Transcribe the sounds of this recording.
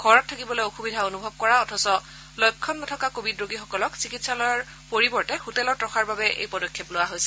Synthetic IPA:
ɡ̥ʱɔɹɔtʰːakibɔlojoxubidʱaonubʱɔb̚kɔɹaɔtʰɔsɔ | lɔjkʰːɔnːɔtʰɔkakobidɹoɡixɔkɔlɔksikitsalɔaɹ | poɹibɔɹtɛxutɛlɔtɹɔxʰaɹbabɛʔḛjpɔdɔkʰːɛplʊwaɦojsɛ̥

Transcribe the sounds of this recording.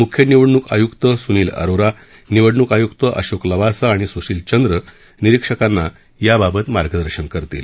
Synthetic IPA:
mukʰjəniʋəɽɳuka̰jukt̪əsuniːlə̰ɾoɾa | niʋəɽɳukajukt̪əʔə̰ɕokləʋasaɽ̃isusiːlt͡ɕənd̪ɾə | niɾikʂəkanːa | jababət̪maɾɡəd̪əɾɕənkəɾt̪ḭl

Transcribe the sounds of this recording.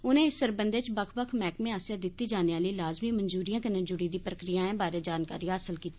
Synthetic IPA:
ʊnẽːɪsːəɾbənd̪eːt͡ʃbəkʰbəkʰmɛːkmẽːɦaːsjad̪ɪt̪ːiːd͡ʒaːneʋaːliːlaːzmiːməɲzuːɾijãːkənẽːd͡ʒʊɽiːd̪iːpɾəkɾijãːẽːbaːɾeːd͡ʒaːnka̰ːɾiːɦəːsəlkiːt̪ːiː

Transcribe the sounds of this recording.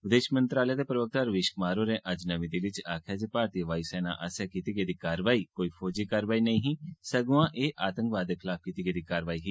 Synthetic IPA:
ʋɪd̪eːʃmənt̪ɾaːləjaːd̪eːpɾəʋək̚t̪aːɾəʋɪːʃkʊmaːɾoːɾẽːʔəd͡ʒnəʋit̪iʋɪt͡ʃaːkʰjaːd͡ʒepaːɾt̪iʋaːiːsɛːna̰ːʔə̰sjakiːt̪iːɡeːd̪iːkaːɾʋaːiːkoːiːpʰoːd͡ʒiːkaːɾʋaːiːnəĩːɦĩːsəɡuãːʔeːʔaːt̪ə̃ŋkʋaːd̪ːeːkʰɪlaːp̚kiːt̪iɡed̪iːkaːɾəʋaːiɦiː

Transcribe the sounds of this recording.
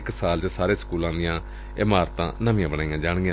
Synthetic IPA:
ksaːlt͡ʃəsaːɾeːsə̥kuːlãːd̪ɪjãː | ɪmaːɾt̪ã̰ːnəʋĩjãːbənaːijãːd͡ʒaːɽ̃ɡãː

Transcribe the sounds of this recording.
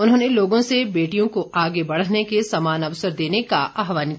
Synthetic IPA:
ʊnɦõːneloːɡõsebeːʈijõkoʔaːɡebɐɽ̤əɦnekesɐmaːnɐʋsəɾd̪eːnekaʔaːɦʋaːn

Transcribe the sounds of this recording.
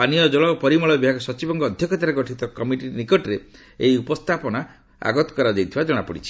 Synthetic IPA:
anijɔd͡ʒɔɭɔpɔɾimɔɭɔbibʱaɡɔsɔt͡ʃibɔŋɡɔːd̪ʱjɔkʰɔt̪aɾeɡɔʈʰit̪ɔkɔmiʈinikɔʈɾe | eiupɔst̪ʰapɔna | a̰ɡɔt̪ɔ̥kɔɾad͡ʒ̪ejt̪ʰibad͡ʒɔɽ̃apɔɽḭt͡ʃʰi̥

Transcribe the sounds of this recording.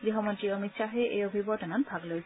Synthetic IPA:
ɡɾiɦɔmɔnt̪ɾiɔmit̪ʃaɦeʔeobʱibɔʈananbʱaɡlojt͡ɕʰ

